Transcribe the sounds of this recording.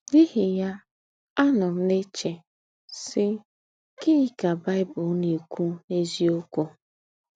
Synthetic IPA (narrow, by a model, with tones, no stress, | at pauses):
i˦ɦɪ˨ja˦ | a˦nʊ˨m̩˦ne˦t͡ʃe˨ | sɪ˦ | kɪ˦i˨ka˨ba˦ɪ˦bʊ˨˦ni˨kʷu˦e˦zi˦o˦kʷu˦